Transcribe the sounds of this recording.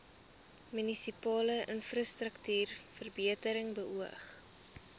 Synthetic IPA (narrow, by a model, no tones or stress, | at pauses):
mynisipɑːləʔənfrɑstrəktyːrfərbiətəɾəŋbəʔuəχ